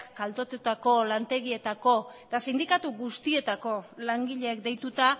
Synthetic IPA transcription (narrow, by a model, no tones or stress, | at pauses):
kkalt̪o̞t̪ut̪ako̞lant̪e̞ɣie̞t̪ako̞et̪asind̪ikat̪uɣust̪ie̞t̪ako̞laŋɡiʎe̞ːkd̪e̞jt̪ut̪a